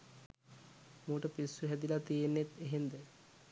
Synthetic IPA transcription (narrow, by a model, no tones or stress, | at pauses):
muːʈəpisːuɦɛd̪ilat̪ijenːet̪eɦend̪ɛ